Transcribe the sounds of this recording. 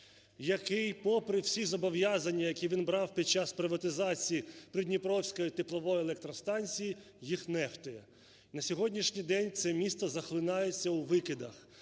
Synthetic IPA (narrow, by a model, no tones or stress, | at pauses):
jɐkɪjpɔpɾɪwsʲizɔbɔwjazɐnʲːɐjɐkʲiʋʲinbɾɑwpʲid̪̚t͡ʃɑspɾɪʋɐt̪ɪzɑt͡sʲijipɾʲɪd̪ʲnʲipɾɔwsʲkɔjit̪ɪplˠɔʋɔjielˠɛk̚t̪ɾɔst̪ɑnʲt͡sʲiji | jixnɛft̪ɔjɛ | nɐsʲɔɦɔdʲnʲiʃnʲijd̪ɛnʲt̪sɛmʲist̪ɔzɐxlˠɪnɑjet͡sʲːɐwʋɪkɪd̪ɐx